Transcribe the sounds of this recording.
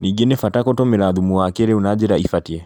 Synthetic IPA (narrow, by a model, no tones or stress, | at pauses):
niɡenefatakɔtɔmeɾaðumuwakeɾeunad͡ʒeɾaifatiɛ